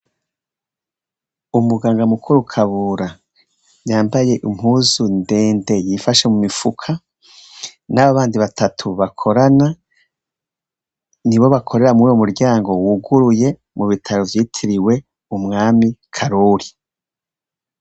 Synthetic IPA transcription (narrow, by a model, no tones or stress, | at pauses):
umuɡaːŋɡamukʰuɾukʰaβuːɾa | jaːmbaje̞ʔim̥huzunde̞ːnde̞jifaʃe̞mumifukʰa | naβaβaːndiβatʰatʰuβakʰo̞ɾana | niβo̞βakʰo̞ɾe̞ɾamujomuɾɟaːŋɡo̞wuɡuɾuje̞ | muβitʰaɾovjiːtʰiɾiwe̞ | umŋaːmikʰaɾuːɾi